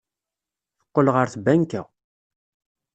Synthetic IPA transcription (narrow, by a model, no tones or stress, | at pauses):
θə̥qːəlʁəɾθbæŋkæ̰